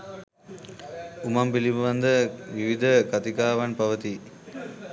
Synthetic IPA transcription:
umɐmpilibɐʋɐnd̪ɐʋiʋid̪ʱɐkɐt̪ikaːʋɐnpɐʋɐt̪i

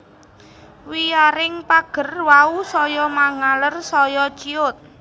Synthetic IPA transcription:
wijaɾɪŋpaɡ̥ə̤rwausɔjɔmaŋalərsɔjɔt͡ʃiʊt̪̚

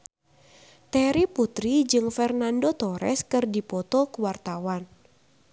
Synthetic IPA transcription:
t̪ɛɾiput̪ɾid͡ʒɨŋfɛrnandot̪ɔɾɛ̰skɨrdipɔt̪ɔkuwart̪awan

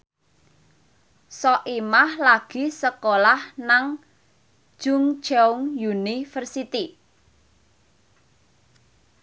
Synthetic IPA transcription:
sɔʔimahlaɡ̥i̤səkolahnaŋ̥ | ʒ̥ʊŋ̥d͡ʒauŋjunifərsit̪i

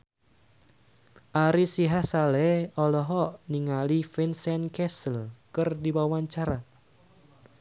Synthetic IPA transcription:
ʔaɾisiɦahsalɛɔlɔɦɔʔniŋalifinsɛnkɛsəlkɨrdiwawaɲt͡ʃaɾa

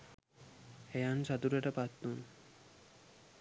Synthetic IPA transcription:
ejanʃat̪uɾeʈapat̪ːun

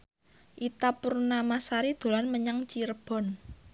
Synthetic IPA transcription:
ʔit̪apurnamasaɾid̪̥o̤lanməɲaŋt͡ʃirb̥ɔ̤n

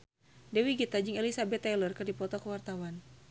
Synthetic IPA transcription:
dɛwiɡit̪ad͡ʒɨŋɛlisabɛt̪ːalərkɨrdipɔt̪ɔkəwart̪awan

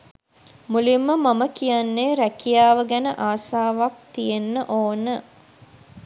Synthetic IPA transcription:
mulimːəmɐməkijanːeːɾækijaːʋəɡænəʔaːsaːʋak̚t̪ijenːəʔoːnə

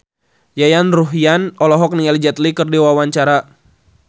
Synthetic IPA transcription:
jajanruɦjanɔlɔɦɔk̚niɛld͡ʒɛt̪likɨrdiwawaɲt͡ʃaɾa

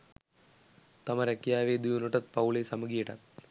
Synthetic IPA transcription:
t̪ɐmɐɾɐkːjaːʋeːd̪ijunuʈːɐt̪̚pɐwɭesɐmɐɡiʈɐ̰t̪

